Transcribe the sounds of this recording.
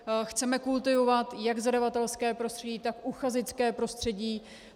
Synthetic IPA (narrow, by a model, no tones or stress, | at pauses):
xt͡sɛmɛkult̪ɪvo̞vat̪jaɡzadavat̪ɛlskɛːpɾost̪r̥ɛɟiːt̪akʔuxazɪt͡skɛːpɾo̞st̪r̝̥ɛɟiː